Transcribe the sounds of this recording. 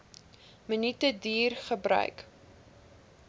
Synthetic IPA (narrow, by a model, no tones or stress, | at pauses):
mənitədiːrχəbɾœ̰ɥk